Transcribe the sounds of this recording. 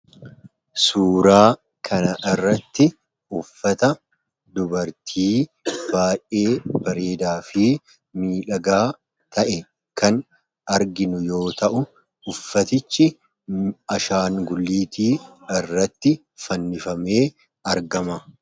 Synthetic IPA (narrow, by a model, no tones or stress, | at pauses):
suːɾaː | kʰɐnɐʔɪrːɐt̪ːɪ | ʊfːɐt̪ɐ | d̪ʊbɐɾt̪ʰiːb̥aːjʔʔʔeːbɐɾe̞ːd̪aːfɪ | miːᶑɐɡaː | t̪ʰɐʔɛ | kɐn | ɐɾɡɪnʊjo̞ːt̪ɐʔʊ | ʊfːɐt̪ɪt͡ʃːɪ | ɐʃaːŋɡʊlːiːt̪iːɪrːɐt̪ːɪ | fɐnːɪfɐme̞ː | ɐɾɡɐmɐ